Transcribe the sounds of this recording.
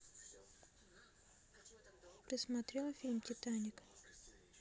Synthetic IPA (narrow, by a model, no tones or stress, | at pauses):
pɾʲɪsmat̪ɾʲɛlˠɐfʲilʲmtʲɪt̪anʲɪk